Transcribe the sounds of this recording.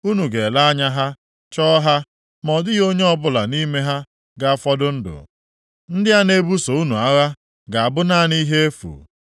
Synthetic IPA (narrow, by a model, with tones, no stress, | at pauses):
u˦nu˨ɡe˨la˦a˦ɲa˦ɦa˦ | t͡ʃɔː˦ɦa˦ | mɔ˨dɪ˦ɣo˦ɲe˦ɔ˦bʊ˦la˨ni˦me˦ɦa˦ | ɡa˨a˦fɔ˦dʊ˦n̩˦dʊ̰˨ | n̩˦dɪ˦a˦ne˦bu˦so˨u˦nu˨a˦ɣa˦ | ɡa˨a˨bʊ˦na˦ni˦ɦe˦e˦fṵ˨